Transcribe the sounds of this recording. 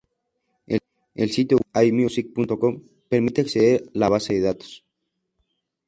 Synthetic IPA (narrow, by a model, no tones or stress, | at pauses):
e | ḛlsit̪joajmiusik̚punt̪okom | peɾmit̪eakseðeɾlaβ̞aseðeðat̪o̥s